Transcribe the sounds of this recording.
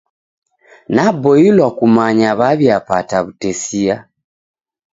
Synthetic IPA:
nabojilwakumaɲaβaβjapataβutesia

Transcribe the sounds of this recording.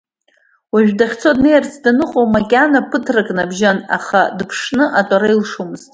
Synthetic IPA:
waʒᶣdaχʲt͡sʰodne̞jrt͡sʰʼdanɨqʼowmakʲʼanapʰɨtʰrakʼnabʒana̰χadpʰʂnɨʔatʼaɾailʂumɨz̥tʼ

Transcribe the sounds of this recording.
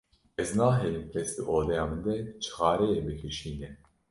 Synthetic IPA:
ɛznɑːɦɛjimpʰɾɛsd̪ɨʔoːd̪ɛjɑːmɨnd̪ɛt͡ʃʰɨ̥xɑːɾɛjɛbɨkʰɨʃiːnɛn

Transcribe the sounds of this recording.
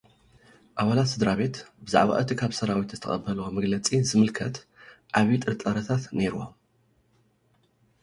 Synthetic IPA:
ʔaβalat̪sɨd̪ɾaβe̞t̪bɨzaʕβa̰ʔɨt̪ʰikʰaβsɐɾawit̪zɨt̪ʰɐxʼɐbɐlwomɨɡlɐt͡sʼizɨmɨlkʰɐt̪ | ʔaβit̪ʼɨɾt̪ʼɐɾɐt̪ʰat̪ne̞ɾuwo̰

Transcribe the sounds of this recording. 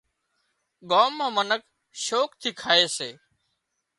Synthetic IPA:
ɠaːmːãːmənək | ʃoːkt̪ʰiːkʰaːeːseː

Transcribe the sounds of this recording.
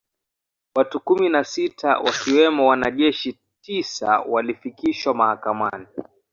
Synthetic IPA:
watukuminasitʰa̰wʔa̰kiwɛmɔwanaʄɛʃi | tisa̰walifikiʃwamahakama̰ni

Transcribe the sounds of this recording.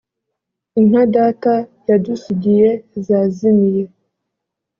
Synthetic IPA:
inhadaːtajadusuɟijezazimije

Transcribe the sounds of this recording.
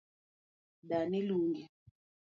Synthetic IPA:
daniluŋɡi

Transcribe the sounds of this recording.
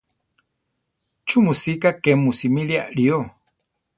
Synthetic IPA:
t͡ʃumusikakemusimilia̰ʔɺio

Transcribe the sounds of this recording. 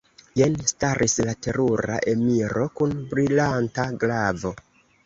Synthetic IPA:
jenstaɾʔislate̞ɾuɾa̰ʔe̞miɾo̞kunbɾilantaɡlavo̞

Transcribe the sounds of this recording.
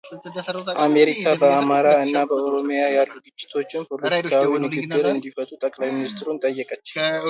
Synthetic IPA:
ʔame̞ɾikʰabəamaɾaɨnːabəoɾo̞mijajalːuɡɨt͡ʃʼːɪ̥t̪ʰo̞t͡ʃːɪnpʰoɾlet̪ikʰawinɨɡɨɡːɨɾɨnd̪ifət̪ʼut̪ʼəkʼlajmɪnist̪ʰɾunt̪ʼəjːɛkʼət͡ʃːɪ

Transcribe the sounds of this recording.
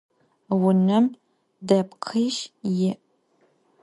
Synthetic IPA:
wʊnɐm | dɐpqʰɨʃjɪʔ

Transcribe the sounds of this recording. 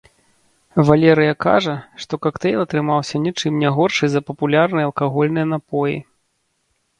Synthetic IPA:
valʲɛɾɨjɐka̰ʐɐʂt̪ɔkakt̪ɛjlˠɐt̪ɾɨmawsʲɐnʲit͡ʂɨmnʲɛɣɔrʂɨjzɐpɐpulʲarnɨjɐlˠkaɣɔlʲnɨjɐnapɔjḭ

